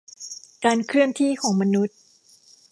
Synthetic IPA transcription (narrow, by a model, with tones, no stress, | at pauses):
kaː˧nkʰɾɯ˥˩ənt̪ʰiː˥˩kʰɔː˩˦ŋma˧nu˦˥t̪̚